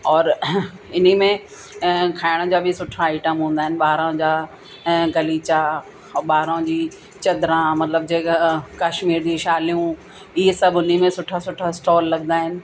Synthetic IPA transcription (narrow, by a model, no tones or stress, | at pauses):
ɔːɾɪnimẽ | kʰaːɪɽ̃ə̃̆d͡ʑaːbʱɪsʊʈʰaːɪʈəmɦũːn̆d̪aːɦɪnɪ̆ɓaːɾãd͡ʑaː | ɡɐliːt͡ɕa | ɓaːɾãd͡ʑiː | t͡ɕɐd̪ɾãmɐt̪ləb̚d͡ʑeːkkaːʃmiːɾd͡ʑiːʃaːlijũ | iɦsɐbʱʊn̤imẽsʊʈʰasʊʈʰasʈɔːlːɐɠnd̪aːɦɪnɪ̆